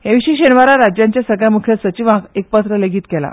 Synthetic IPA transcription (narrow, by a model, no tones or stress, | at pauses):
heʋiɕiɕenʋaɾaɾad͡ʑjãɲt͡ɕjasəɡɭjamukʰjəsət͡ɕiʋãkek̚pət̪ɾəleɡiːt̪kɛla̰